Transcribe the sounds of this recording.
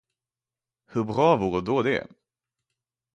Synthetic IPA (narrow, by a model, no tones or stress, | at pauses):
hɵɾbɾɑːvuːɾəd̪oːd̪ɛ̰